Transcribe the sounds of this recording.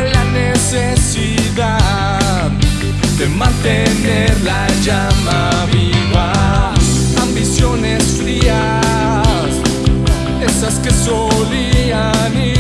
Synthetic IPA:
lanesesiða | ð | ðemãnt̪eneɾlaʝama | βiβas | ambisjo̞nesfɾia | s | esaskeso̞liani

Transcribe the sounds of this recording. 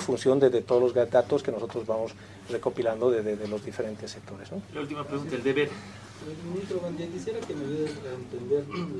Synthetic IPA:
funsjo̞nd̪eðet̪oðolozɣd̪at̪oskenoso̞t̪ɾozβamos | re̞ko̞piland̪oðezðeðelo̞zðifeɾe̞nt̪esːek̚t̪o̞ɾeznolault̪imapɾeɣunt̪aeld̪eβeɾ | omomnĩt̪ɾoɣant̪ekisjeɾakenoβient̪end̪eɾ

